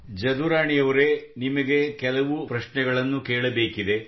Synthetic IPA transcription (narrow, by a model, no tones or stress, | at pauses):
d͡ʒɐd̪uɾaːɳijɐʋɐɾe̞nimɐɡe̞kɛlɐʋupɾɐʂɳɛɡɐɭɐnːukeːɭɐbe̞ːkid̪e̞